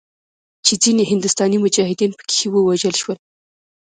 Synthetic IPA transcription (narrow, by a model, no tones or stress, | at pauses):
t͡ʃed͡zineɦɪnd̪ʊst̪ɑnimʊd͡ʒɑhɪd̪inpə̥ke̥xewəwaʒəlʃwəl